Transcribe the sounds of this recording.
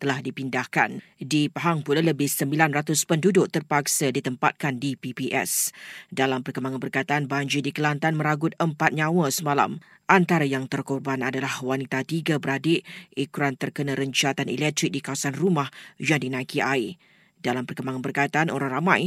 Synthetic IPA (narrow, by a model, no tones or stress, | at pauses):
t̪əlahdipindahka̰n | dipaɦaŋpulaləbɪhsəmbilanrat̪ʊspəndudʊʔt̪ərpak̚sədit̪əmpa̰t̪̚kandipipiʔɛ̰sdalampərkəmbaŋanbərkait̪aanbaɲd͡ʒidikəlant̪anmə̃ɾaɡʊt̪̚əmpat̪̚ɲãwəsəmala̰m | ʔant̪aɾajaŋt̪ərkɔrbanadalahwanit̪at̪iɡabəɾadeikuɾant̪ərkənãɾəɲt͡ʃat̪anɛlɛk̚t̪ɾik̚dikawasanrumahd͡ʒadinãkiʔaj | dalampərkəmbaŋanbərkajt̪anoɾaŋramãj